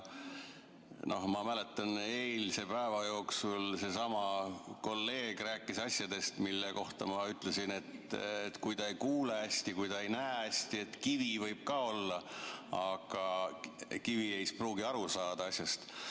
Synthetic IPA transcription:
no̞hmɑmæle̞t̪ːˑɑne̞ːlse̞pæevɑjo̞ːksulse̞sɑmɑko̞lːe̞ːɡ̥ræːkːˑisɑsʲjɑd̪̥e̞st̪milːeko̞ht̪ɑmɑyt̪ːˑle̞sine̞t̪et̪kujt̪ɑejkuːleæsʲt̪ikujt̪ɑe̞jnæːæsʲt̪ie̞t̪kivivɤjb̥̚kɑːo̞lːɑɑɡ̥ɑ | kiviejspruːɡiɑɾusɑːd̪̥ɑɑsʲjɑst̪

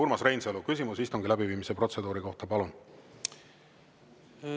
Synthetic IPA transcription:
uɾmɑsre̞jnselukys̬ʲimusist̪uŋɡilæbiviːmise̞pro̞t̪se̞d̪uːɾiko̞ht̪ɑpɑlun

